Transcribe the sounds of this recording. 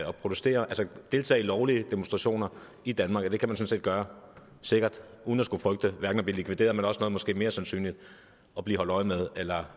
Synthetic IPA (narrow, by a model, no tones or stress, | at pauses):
ɒ̽pʰʁo̝d̥usd̥e̝̰ːɐʔælsəd̥e̝lt͡sʰɛ̰ːilɒʊliəd̥e̝monsd̥ʁɑ̈ɕo̝̰ːnɐ | id̥ænmɑ̈ːɡ̥ɒd̥e̝kʰæmænsɔ̽n̩se̝̰ːd̥̚ɡ̥ɶːɐ | se̝ɡ̥ɐd̥ | uːðnæsɡ̥ufʁœɡ̥d̥əʋæɐɡn̩ɒb̥liːlikʰʋid̥e̝̰ːɐðˠmenɒ̽sənɔ̽ːðˠmɔ̽sɡ̥e̝̰ːme̝ːɐsænsy̰ːnlid̥ | ɒ̽b̥lḭːhɒ̽l̰d̥ɒ̽ɪmeð̞ˠelɐ